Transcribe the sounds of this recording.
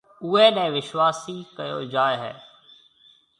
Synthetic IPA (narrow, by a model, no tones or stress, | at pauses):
uːeːɗɛ̃ːʋɪʃwaːsiːkəjo̰ːd͡ʒaːeɦɛ̰ː